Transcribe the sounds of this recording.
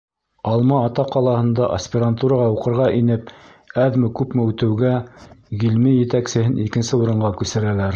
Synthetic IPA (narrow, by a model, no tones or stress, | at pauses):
ɑlˠmɑːt̪ɑqːɑlˠɑhɤ̆nd̪ɑʔɐ̰sʲpʲɪɾant̪uɾɑʁɑuqɤ̆ɾʁɑʔinɘp̚ | æðmɘkʉpmɘʉt̪ɘ̆wɡæɡilmijɘ̆t̪æksɘ̆hɘnikɘ̆nsɘuɾɤ̆ɴɢɑkʉsɘ̆ɾælæɾ